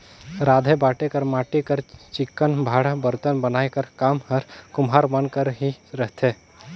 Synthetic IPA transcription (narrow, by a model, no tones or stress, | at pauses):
ɾaːd̪ʱebaːʈekəɾmaːʈikəɾt͡ʃɪkːənbʱaːɽbəɾt̪ənbənaːekəɾkaːmhəɾkʊmɦaːɾmənkəɾɦiɾəɦt̪eː